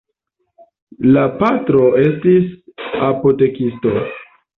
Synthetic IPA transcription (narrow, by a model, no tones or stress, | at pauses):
lapatɾo̞e̞stisapo̞te̞kisto̞̰